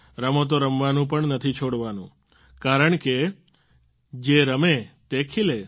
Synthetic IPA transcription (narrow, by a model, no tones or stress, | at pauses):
ɾəmot̪̬oɾəmʋanũpəɳnət̪ʰit͡ʃʰoɽʋanṵ̃ | kaɾəɳke | d͡ʒeɾəmet̪ekʰile